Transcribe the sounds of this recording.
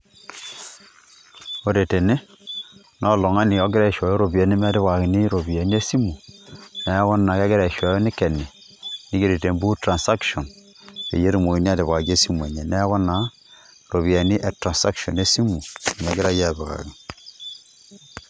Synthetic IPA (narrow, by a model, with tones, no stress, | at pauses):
o˨ɾe˨te˨ne˦ | nɔ˦˨lɔ˨ŋa˦ni˨ɔ˦ɡɪ˦ɾa˦˨ʃa˨jo˦ɾo˨bi˨ɛ˨ni˦m˦a˦dɪ˦βa˨ɣɪ˨ni˦ɾo˨bi˨e˨ni˦e˦si˦mu˨nɛ˨˦ɣɔ˦na˨ka˦ɡɪ˦ɾa˨ʃwa˨jɔ˦ni˦kɛ˨ni˨ | ni˨˦ɡe˨ɾe˨te˨mbu˦tɾa˨nsa˦kʃɔ˨n | ḛ˨je˦ɾi˨mo˨i˨ni˦a˦di˨βa˨ɡe˦si˦mu˨e˨ɲe˨nɛ˦ɣɔ˦na˨˦ | ɾo˨βi˨a˨ni˦ʔe˨tɾa˨sa˦kʃɔ˨ne˦si˦mu˨n˨a˦ɡɪ˦ɾa˦ja˦˨bɛ˨ka̰˨ɡi˨n